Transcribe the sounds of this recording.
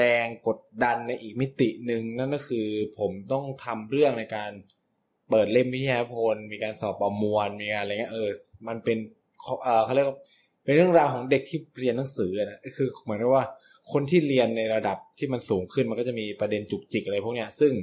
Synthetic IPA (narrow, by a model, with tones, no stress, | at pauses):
ɾɛː˧ŋko˨˩t̪̚da˧nːa˧jʔiː˨˩k̚mi˦˥t̪ḭ˨˩nɯ˨ŋna˥˩˨nkɔː˥˩kʰɯː˧pʰo˩˦mt̪ɔ˥˩ŋt̪ʰa˧mɾɯ˥˩əŋna˧jkaː˧n | pɤː˨˩t̪̚le˥˩mwi˦˥iː˧a˧na˥pʰo˧nmiː˧kaː˧nsɔː˨˩p̚ʔa˧˩mu˧ənmiː˧kaː˧nʔa˧˨ŋː˦˥ʔɤː˧ma˧npe˧n | kʰʔɤː˨˩xʰa˥˩ɾi˥˩kwa˥˩ | pe˧nɾɯ˥˩əŋɾaː˧wkʰɔː˩˦ŋde˨˩k̚t̪ʰiː˥˩ɾi˧nːa˩˦ŋsɯː˩˦ʔa˨˩na˦˥ʔkʰɯː˧mɯ˨˩˦ŋkʰa˨˩waː˥˩ | kʰo˧nt̪ʰiː˥˩ɾi˧ənːa˧jɾa˧da˨˩p̚t̪ʰiː˥˩ma˧nsuː˩˦ŋkʰɯ˥˩nma˧nkɔː˥˩a˨˩miː˧pɾa˧de˧nt͡ɕu˨˩k̚t͡ɕi˨˩k̚ʔa˧ɾa˧jpʰu˥˩ni˦˥ɐsɯ˥˩ŋ